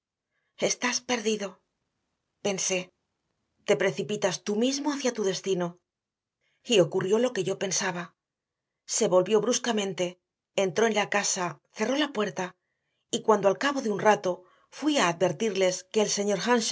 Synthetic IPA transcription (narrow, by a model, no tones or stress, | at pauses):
e̞st̪aspe̞ɾðiðo̞ | pe̞nse̞ | t̪e̞pɾe̞θipit̪ast̪umizmo̞aθjat̪uðe̞st̪ino̞ | io̞kurjo̞lo̞ke̞ʝo̞pe̞nsaβa | se̞βo̞lβjo̞βɾuskamẽ̞nt̪e̞ː | nt̪ɾo̞enlakasaθe̞ro̞lapwe̞ɾt̪a | ikwand̪oalkaβo̞ðeunrat̪o̞ | fwiaːðbe̞ɾt̪iɾle̞ske̞ːlse̞ɲo̞ɾxanʃ